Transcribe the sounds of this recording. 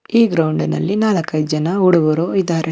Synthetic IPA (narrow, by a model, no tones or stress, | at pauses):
iːɡɾɐwɳɖɐnɐ̰lːinaːlɐkɐjd͡ʒɐnɐuɽuʋɐɾoid̪aːɾɐ